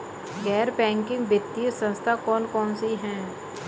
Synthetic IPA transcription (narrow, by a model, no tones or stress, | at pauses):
ɡɛːɾpɛ̃ːŋkɪ̃ŋɡbɪt̪ːiəsə̃nst̪ʰakɔːnkɔːnsiɦɛ̃ː